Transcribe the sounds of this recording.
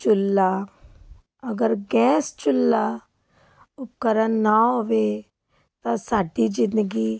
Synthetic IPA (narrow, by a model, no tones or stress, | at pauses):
t͡ʃʊlːaː | əɡəɾɡɛːst͡ʃʊlːaː | ʊp̚kəɾənːaɦoːʋe | t̪ãsaːɖid͡ʒɪ̃nd̪əɡiː